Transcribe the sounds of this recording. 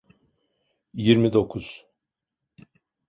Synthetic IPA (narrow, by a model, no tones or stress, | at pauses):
jiɾmid̪o̞kʰuz̥